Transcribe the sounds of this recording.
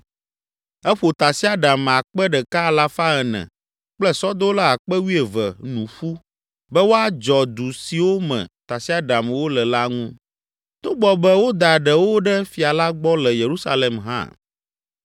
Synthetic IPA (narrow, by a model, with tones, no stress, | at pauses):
ɛ˦ɸo˨t̪a˨si˦a˦ɖa˨m˨a˨k͡pɛ˦ɖɛ˨ka˦˨la˦fa˦ɛ˨nɛ̰̃˨ | k͡plɛ˦sɔ˦d̪o˦la˦a˨k͡pɛ˦wi˦ɛ˨vɛ̰˨nũ˨ɸu˦ | bɛ˦wo˦a˦d͡ʒɔ˨d̪u˨si˨wo˦mɛ̰̃˨t̪a˨si˦a˦ɖa˨mwo˦lɛ˨la˦ŋũ˦ | t̪o˦ɡ͡bɔ˨bɛ˦wo˦d̪a˨ɖɛ˨wo˦ɖɛ˦fi˨a˨la˦ɡ͡bɔ˦lɛ˨je˨ɾu˦sa˦le˨mɦã̰˦